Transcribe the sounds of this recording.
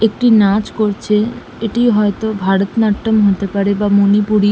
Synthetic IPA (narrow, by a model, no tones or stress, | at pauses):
ek̚ʈinat͡ɕkoɾt͡ɕʰe | eʈijɦɔet̪obʱaɾot̪naʈːomɦot̪epaɾebamonipuɾi